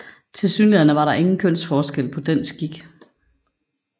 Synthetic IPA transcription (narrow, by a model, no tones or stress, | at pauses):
t͡sʰe̝lsy̰ːnliɐnəʋɑ̈ɾɑ̈ʔe̝ŋn̩kʰøn̰sfɒːsɡ̥el̰pʰɒ̽d̥ensɡ̥iɡ̥